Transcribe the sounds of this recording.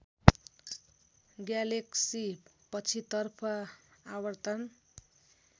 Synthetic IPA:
ɡjaleksi | pʌt͡sʰit̪ʌrpʰʌawʌrt̪ʌn

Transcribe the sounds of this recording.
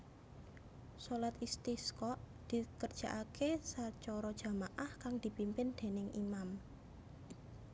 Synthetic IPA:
solat̪ist̪iskɔʔ | d̪̥i̤kərd̥ʒ̥a̤ʔakʰesat͡ʃɔɾɔd̥ʒ̥a̤maʔahkaŋd̪̥i̤pimpɪnd̪̥e̤nɪŋʔimam

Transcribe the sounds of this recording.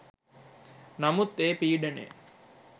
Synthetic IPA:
nɐmut̪ːeːpiːɖɐnḛː

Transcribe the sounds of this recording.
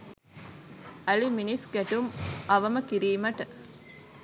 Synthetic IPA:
ɐliminiskæʈumɐʋɐməkiɾiːmɐʈə

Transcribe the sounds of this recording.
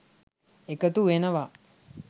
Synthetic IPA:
ekət̪uʋenəʋa

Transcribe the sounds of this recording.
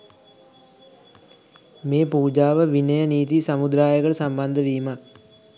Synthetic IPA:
meːpuːd͡ʒaːʋəʋinəjəniːt̪̬isamud̪ɾaːjəɡəɭəsamband̪əʋiːmak̚

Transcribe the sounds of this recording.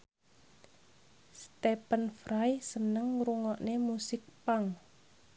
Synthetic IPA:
st̪ɛpənfɾajsənəŋɾuŋɔʔnemusɪk̚paŋ

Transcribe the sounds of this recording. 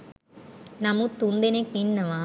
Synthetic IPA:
nɐmut̪und̪enekninːɐma

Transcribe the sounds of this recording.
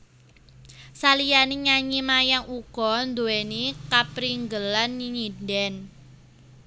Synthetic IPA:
salijaniɲaɲimajaŋuɡ̥ɔ̤nd̪owɛnikapɾiŋɡəlanːiɲindɛn

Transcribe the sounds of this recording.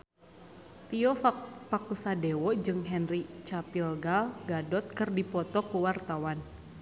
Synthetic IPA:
t̪iɔfpakusadewɔd͡ʒɨŋɦɛnrit͡ʃapilɡalɡadɔt̪̚kɨrdipɔt̪ɔkuwart̪awan

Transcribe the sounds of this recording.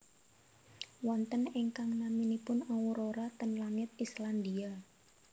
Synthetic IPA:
wɔnt̪əniŋkaŋnaminipʊnɔwuɾoɾat̪ənlaŋɪt̪̚island̪ia

